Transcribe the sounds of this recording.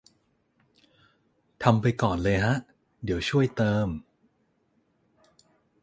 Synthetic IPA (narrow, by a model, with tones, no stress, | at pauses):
t̪ʰa˧mpa˧jkɔː˨˩nlɤː˧jɦa˦˥ʔ | di˩˦əwt͡ɕʰu˥˩əjt̪ɤː˧m